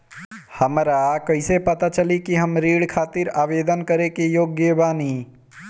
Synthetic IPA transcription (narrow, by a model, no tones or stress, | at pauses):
hɐmɾakɐɪsepɐt̪at͡ʃɐlikiɦɐmɾiːɽkʰaːt̪ɪɾaːʋeːd̪ənkɐɾekejoːɡjəbaːniː